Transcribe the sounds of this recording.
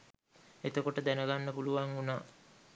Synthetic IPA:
et̪əkoʈəd̪ænəɡanːəpuluʋaŋunaː

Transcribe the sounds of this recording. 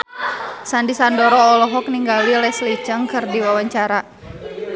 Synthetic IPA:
sandisandɔɾɔːlɔɦɔk̚niŋɡalilɛslid͡ʒəŋkərdiwawaɲt͡ʃaɾa

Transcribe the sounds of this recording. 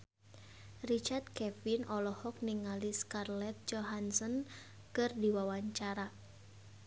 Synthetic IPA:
rit͡ʃart̪̚kɛfinɔlɔhɔk̚niŋaliskarlɛt̪̚d͡ʒɔɦansɔn | kɨrdiwawaɲt͡ʃaɾa

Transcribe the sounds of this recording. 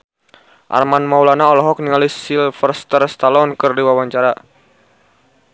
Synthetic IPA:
ʔa̰rmanmaulanaɔlɔɦɔk̚niŋalisilfərst̪ərst̪alɔnkɨrdiwawaɲt͡ʃaɾa

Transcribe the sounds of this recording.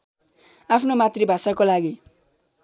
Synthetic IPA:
apʰnomat̪ribʱasakolaɡi

